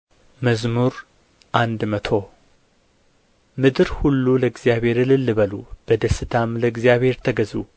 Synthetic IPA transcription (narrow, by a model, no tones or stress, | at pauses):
məzmuɾ | ʔand̪mət̪ʰo̞ | mɨd̪ɨɾhulːuləɨɡzijaβhe̞ɾɨlɨlːɨβəlṵb̥əd̪əsɨt̪ʰamləɨɡzijaβhe̞ɾt̪ʰəɡəzṵ